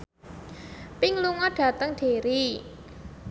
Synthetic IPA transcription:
pɪŋluŋɔɖ̥ä̤t̪əŋɖ̥e̤ɾi

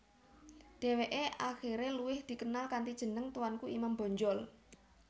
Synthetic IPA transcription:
d̥e̤weʔeʔaxiɾeluwɪhd̪̥i̤kənalkant̪id̥ʒ̥ə̤nəŋt̪uwankuimambɔ̤ɲd͡ʒɔl

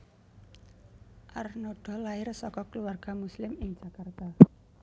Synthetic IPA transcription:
ʔarnoɖ̥ɔ̤laɪrsɔkɔkəluarɡ̥a̤muslɪmɪŋ̥d͡ʒ̥a̤kart̪a

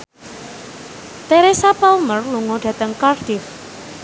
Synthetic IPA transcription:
t̪eɾesapalmərluŋɔɖ̥ä̤t̪əŋkard̥ɪf

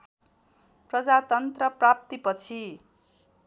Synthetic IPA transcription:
prʌd͡zat̪ʌnt̪rʌprap̚t̪ipʌt͡sʰi

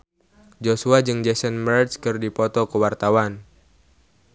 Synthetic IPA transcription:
d͡ʒosuad͡ʒɨŋd͡ʒɛsənbərdskɨrdipɔt̪ɔkəwart̪awan

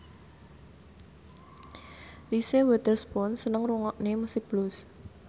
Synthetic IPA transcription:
risewɛt̪ərspɔnsənəŋruŋɔʔnemusɪk̚b̥lus

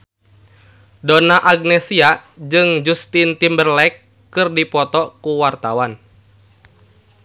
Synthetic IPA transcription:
donaʔaɡ̚nɛsiad͡ʒɨŋd͡ʒust̪int̪imbərlɛkː | ɨrdipɔt̪ɔkuwart̪awan

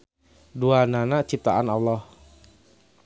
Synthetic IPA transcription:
duananat͡ʃip̚t̪aʔanalːɔh

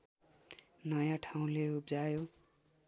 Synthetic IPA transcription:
nʌjãʈʰaw̃leup̚d͡zajo

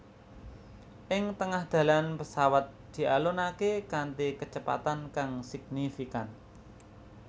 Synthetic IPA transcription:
ʔɪŋt̪əŋahd̪̥a̤lanpəsawat̪̚d̪̥i̤alonakekant̪ekət͡ʃəpa̰t̪ankaŋsɪɡ̚nifikan

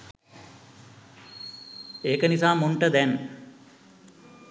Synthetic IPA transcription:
eːkənisaːmuɳʈəd̪ɛn

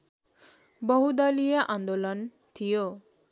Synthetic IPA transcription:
bɔɦud̪alijaʔãnd̪olən | t̪ʰijo

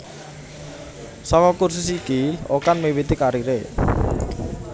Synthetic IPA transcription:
sɔkɔkurs̬ʊsikiokanmewit̪ikaɾiɾe

